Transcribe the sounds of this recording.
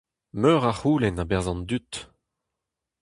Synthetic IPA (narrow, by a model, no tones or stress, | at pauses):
møːʁaχuːlɛnabɛʁzɑ̃nd̪yt̪